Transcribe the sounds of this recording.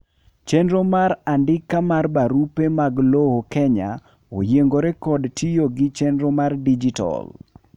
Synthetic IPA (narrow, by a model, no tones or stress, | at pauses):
t͡ʃɛndɾomaɾandɪkːamarbaɾupemaɡlohokɛɲa̰ | o̰jeŋɡoɾɛkɔdtʰijoɡɪt͡ʃɛnɾomardid͡ʒitɔ̰l